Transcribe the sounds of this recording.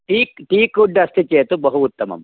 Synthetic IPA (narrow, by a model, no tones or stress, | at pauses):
ʈiːkʈiːkuɖɐst̪ʰit͡ʃeːt̪ubɐɦuːt̪ːɐmɐ̰m